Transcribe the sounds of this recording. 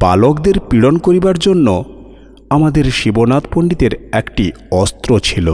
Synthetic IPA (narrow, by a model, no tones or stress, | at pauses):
ba̰lokd̪eɾpiɽonkoɾibaɾd͡ʑonːo | amad̪eɾʃibonat̪poɳɖid̪eɾɛkʈi | ɔst̪ɾot͡ɕʰilo̰